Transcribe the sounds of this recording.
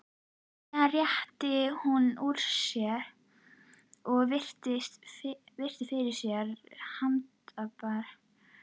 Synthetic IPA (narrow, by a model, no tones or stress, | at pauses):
arjɛht̪ɪhunuɾ̥sjɛɾ | ɔɣvɪr̥t̪ɪst̪vɪr̥t̪ɪfɪɾɪ̥sjɛɾhamt̪œpaɾ